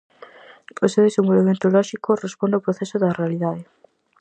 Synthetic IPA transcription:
osewðesẽmbolβemẽnt̪olɔʃikorespond̪awpɾoθɛsʊðɐrealiðaðe

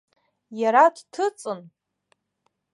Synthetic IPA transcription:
jaɾadtʰɨt͡sʼɨn

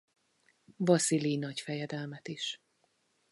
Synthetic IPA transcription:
vɒsilinɒcfɛjɛd̪ɛlmɛt̪iʃ

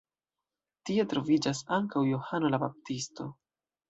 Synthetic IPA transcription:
tie̞tɾo̞vid͡ʒasaŋkawjohano̞labap̚tisto̞

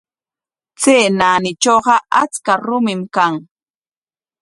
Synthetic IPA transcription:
t͡seːnanɪt͡ʃoɢɑʔa̰t͡skaɾʊmɪmkaŋ

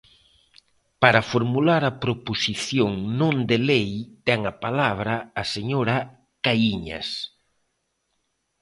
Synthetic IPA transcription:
paɾɐfoɾmulaɾɐpɾoposiθjoŋnõnd̪elejt̪ɛŋɐpalaβ̞ɾɐːseɲoɾɐ | kaiɲa̰s

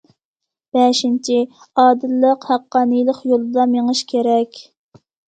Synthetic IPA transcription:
b̥ɛʃint͡ʃʰi | ɑːd̪ɨlːəqhæqːɑːnɨjlˠəqjolˠɨd̪ɑmeŋɨʃkʲʰeɾɛkʲ

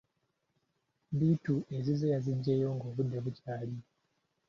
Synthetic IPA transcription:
βiːtue̞zizejaziɲɟe̞ːjo̞ːŋɡo̞ːβud̪ːe̞βucaːli

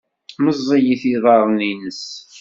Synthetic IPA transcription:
məzˤːijiθiðˤɑɾˤninəs

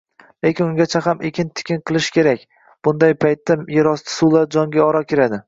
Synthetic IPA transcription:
lekʲɪnʊŋɡʲat͡ʃʰaɦamʔekʲʰɪnt̪ʰɪ̥kʲʰɪnqʰɨlˠɪʃkʲe̞ɾakʲ | b̥ʊnd̪ajpʰajt̪ːajeɾɒst̪ʰɪ̥sulˠaɾd͡ʒɒŋɡʲaɒɾɒkʲeɾad̪ɪ

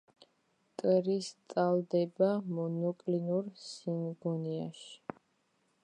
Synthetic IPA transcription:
t̪ʼɾist̪sʼald̪ɛbamɔnɔkʼlinuɾsinɡɔniaʃi̥

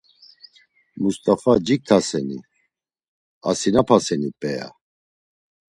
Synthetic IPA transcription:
must̪ʼafad͡ʒikʰːasɛnḭ | asinapʰasɛnipʼɛja̰

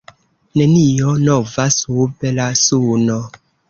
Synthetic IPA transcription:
nenijonovasubelasunɔ

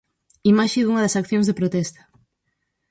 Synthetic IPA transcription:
imaʃeðuŋɐðɐsakθjõŋzðepɾot̪ɛst̪ɐ̥

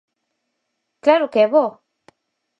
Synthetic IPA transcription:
klaɾokeβo

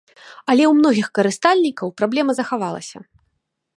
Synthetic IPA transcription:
ɐlʲɛwmnɔɣʲixkɐɾɨst̪alʲnʲikɐwpɾablʲɛmɐzɐxavalˠɐ̰sʲɐ

